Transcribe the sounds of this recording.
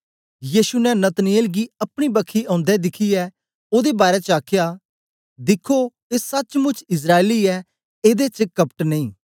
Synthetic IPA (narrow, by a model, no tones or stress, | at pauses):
jiːʃunɛnət̪nɪeːlɡiːɐpɽ̃ibəkʰːiɔ̃ːnd̪ɛd̪ɪkʰiɛ | oːd̪ebaːɾɛt͡ʃaːkʰjaː | d̪ɪkʰːo | eːsɐt͡ʃmʊ̃t͡ʃʰɪs̬ɾaːeliːɛː | eːd̪et͡ʃəkəpʈneĩː